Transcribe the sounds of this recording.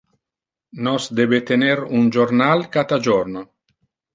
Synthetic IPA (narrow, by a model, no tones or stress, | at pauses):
nɔsd̪ɛbet̪eneɾund͡ʒornalkat̪ad͡ʒɔrno